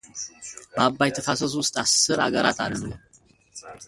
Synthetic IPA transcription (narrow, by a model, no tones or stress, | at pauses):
babːajɛt̪ʰəfasɐs̬wʊst̪ʼasːɨɾa̰ɡəɾat̪ʰa̰ɾənɡɨ